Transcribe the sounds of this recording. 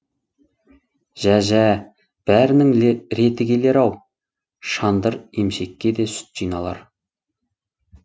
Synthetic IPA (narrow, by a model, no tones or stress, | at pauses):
ʒ̥æʒæ | b̥æɾɪnɪŋɾe̞t̪ɪɡʲe̞le̞ɾɑw | ʃɑnd̪əɾemʃe̞kʲːe̞d̪e̞sʏ̥t̪ʒ̥ijnɑlˠɑ̰ɾ